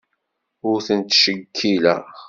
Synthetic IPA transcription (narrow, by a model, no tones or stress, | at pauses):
ʊɾθənt̪ʃəɡʰːilæ̰